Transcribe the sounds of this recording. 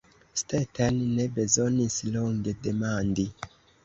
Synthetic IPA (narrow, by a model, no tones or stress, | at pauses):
stetanne̞be̞zo̞nisloŋɡe̞de̞mandi